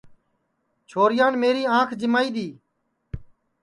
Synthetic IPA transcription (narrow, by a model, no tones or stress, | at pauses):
t͡ʃʰoːɾɪjaːɳmeːɾiːãːkʰd͡ʒɪmaːiːd̪iː